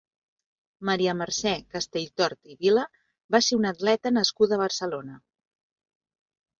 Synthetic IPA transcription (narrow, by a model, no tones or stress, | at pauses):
məɾiəmərsɛkəst̪eʎt̪ɔɾt̪iβilə | baseunət̪lɛt̪ənəskuðəːβərsəlonə